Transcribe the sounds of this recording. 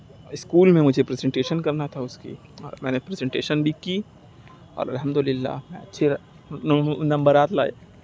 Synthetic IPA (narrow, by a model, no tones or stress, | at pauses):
ɪskuːlmẽmʊd͡ʒʱepɾezẽɳʈeːʃənkɐɾnat̪ʰaʊskḭ | ɔːɾmɛːnepɾezɛ̃ɳʈeːʃənbʱiki | ɔ̰ːɾɐ̰lɦɐmd̪ʊlɪlːa̰ːmɛ̃ɐtːʃʰe | nɐ̃mbəɾaːt̪la̰ːjḛ